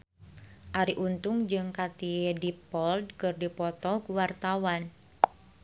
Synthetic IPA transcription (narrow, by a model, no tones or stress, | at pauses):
ʔaɾiʔunt̪ʊŋd͡ʒɨŋkat̪iedipɔldkɨrdipɔt̪ɔkuwart̪awan